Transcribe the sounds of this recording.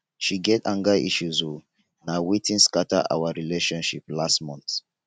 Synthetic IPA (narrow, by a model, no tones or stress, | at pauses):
ʃiɡɛtãŋɡaʔḭʃuzo | nawetĩnskataʔa̰waɹileʃɔ̃nʃiplastmɔ̃nt